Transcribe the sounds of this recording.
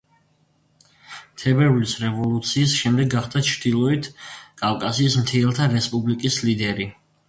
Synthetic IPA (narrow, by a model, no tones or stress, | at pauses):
t̪ʰɛbɛɾlisɾɛvɔlˠut̪sʰiːsʃɛmd̪ɛɡːaχd̪at͡ʃʰɾd̪ilˠɔit̪ʰkʼavkʼasiːsmt̪ʰiɛlˠt̪ʰaɾɛspʼublikʼislid̪ɛɾi